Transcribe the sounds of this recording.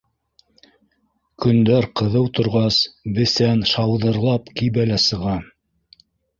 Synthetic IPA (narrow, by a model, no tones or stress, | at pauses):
kɵ̆nd̪æɾqɤ̆ðɤwt̪ŏɾʁɑsbɘ̆sænʃɑwðɤ̆ɾlˠɑpkibælæsɤ̆ʁɑ